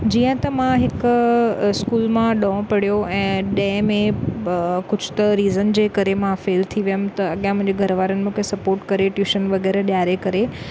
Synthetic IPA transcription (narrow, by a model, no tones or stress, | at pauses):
d͡ʑiːə̃t̪ɐmãɦɪkʊskuːlmãɗõːpɐɽ̤ijoɛ̃ːɗɛ̃ːmẽ | kʊd͡ʑʱʊ̥t̪ɐɾiːzənd͡ʑeːkɐɾemãfeːlt̪ʰiʋijəmt̪ɐɐɠijãmʊ̃ɦɪ̃ɲd͡ʑeɡʱɐɾʋaːɾənɪ̆mũkʰesɐpoːɾʈkɐɾeʈjuːʃənʋɐɣɛːɾɗjaːɾekɐɾe